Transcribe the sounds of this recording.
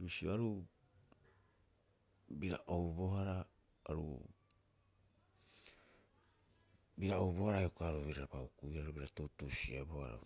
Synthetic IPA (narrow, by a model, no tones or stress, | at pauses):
ɾusioaɾu | biɾa̰ʔowbo̞ɦaɾa | aɾṵ | biɾaowβo̞haɾaeokoaɾuβiɾabaukuiaɾubiɾatutusiaboa̰ɾo̰